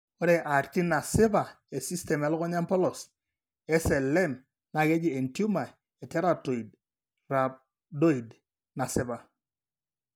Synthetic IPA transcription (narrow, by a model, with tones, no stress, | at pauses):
ɔ˦ɾe˨ʔa˨ɾti˦na˨sɪ˦ba˨ | e˨si˦stɛ˨mɛ˨lɔ˦kɔ˦ɲa˦mpɔ˦lɔ˨s | ɛ˦sɛ˨lːɛ˦˨m | na˨ke˦d͡ʒi˨e˨ntju˦ma˨ | e˨tɛ˦ɾa˦˨to˨i˨d̚ | ra˨b̚ | do˦i˨d | na˨sɪ˦ba˨